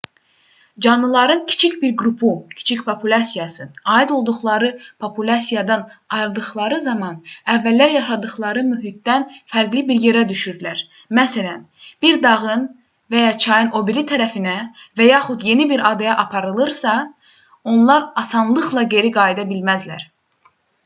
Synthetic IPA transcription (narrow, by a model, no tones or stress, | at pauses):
d͡ʒɑnːɯlˠɑɾɯncʰi̥t͡ʃʰicbiɾɡɾupʰucʰi̥t͡ʃʰicpʰo̞pʰulʲɑsijɑsɯnɑid̪o̞lˠd̪uχlˠɑɾɯpʰo̞pʰulʲɑsijɑd̪ɑnɑjɾd̪ɯχlˠɑɾɯzɑmɑnævːælːæɾjɑʃɑd̪ɯχlˠɑɾɯmyɦit̪̚d̪ænfæɾɡlibiɾje̞ɾæd̪yʃyɾd̪ylæɾ | mæsælæn | b̥iɾd̪ɑʁɯn | væjɑt͡ʃʰɑjɯno̞biɾit̪ʰːæɾæfinævæjɑːχud̪je̞nibiɾɑd̪ɑjɑʔɑpʰɑɾɯlˠɯɾsɑ | o̞nlˠɑɾɑsɑnlˠɯχlˠɑɟe̞ɾiɡɑːjd̪ɑbilmæzlæ̰ɾ